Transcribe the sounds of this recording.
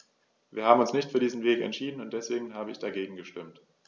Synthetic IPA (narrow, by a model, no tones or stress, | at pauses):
viːɐhaːm̩ʊnsnɪçtfyːɐdiːzn̩veːkɛ̰ntʃiːdn̩ʊntd̥ɛsv̥eːɡŋ̩ɦaːbəɪçd̥aɡeːɡŋ̩ɡəʃtɪmt